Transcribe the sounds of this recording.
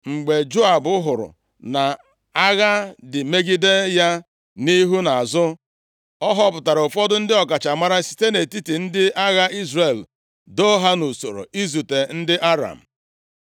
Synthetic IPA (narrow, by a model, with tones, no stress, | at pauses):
ŋ͡m̩˨ɡ͡be˨d͡ʒo˦a˨bʊ˦ɦʊ˨ɾʊ̰˨ | na˨ | a˦ɣa˦dɪ˨me˦ɡi˦de˦ja˦ | ni˦ɦu˦na˨a˨zʊ˦ | ɔ˦ɦɔ˦pʊ˨ta˨ɾʊ˨fɔ˦dʊ˦n̩˦dɪ˦ɔ˨ka˨t͡ʃa˨ma˦ɾa˦si̥˨te˦ne˨ti˦ti˨n̩˦dɪ˦a˦ɣa˦i˦zre˨l | do˦ɦa˦nu˨so˨ɾo̰˨i˦zu˨te˨n̩˦dɪ˦ʔa˦ɾa̰˨m̩˨